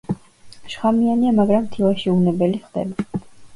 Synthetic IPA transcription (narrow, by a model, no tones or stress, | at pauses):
ʃχamianiamaɡɾamt̪ʰivaʃiunɛbɛliχd̪ɛ̰ba